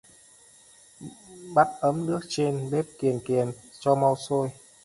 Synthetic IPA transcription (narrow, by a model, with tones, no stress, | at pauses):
ɓa˦˥t̚ʔə˨˦mnɨ˦˥ək̚t͡ɕe˧nɓe˦˥p̚ki˨˩ənki˨˩ənt͡ɕɔ˧ma˧wso˧j